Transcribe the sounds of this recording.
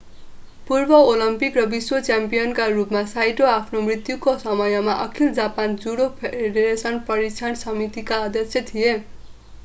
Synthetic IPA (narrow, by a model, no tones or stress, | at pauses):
purbʌolʌmpikrʌbiswot͡sjampijʌnkarupmasajʈoapʰnomrit̪jukosʌmʌjʌmaʔʌkʰild͡zapand͡zuɽopʰeɖeɾesʌnpʌɾit͡sʰansʌmit̪ikaːd̪jʌsjʌt̪ʰije